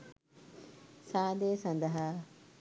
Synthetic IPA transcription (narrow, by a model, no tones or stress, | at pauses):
saːd̪eːsɐnd̪ɐɦaː